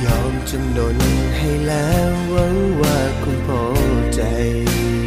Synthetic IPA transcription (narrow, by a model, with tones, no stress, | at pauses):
jɔː˨˧˩mt͡ɕo˧mno˨˩n | ha˧˩jlaː˨˦mwa˧˦˥ŋwaː˧˩kʰʊ˧npʰɔː˨˩˦t͡ɕa˧j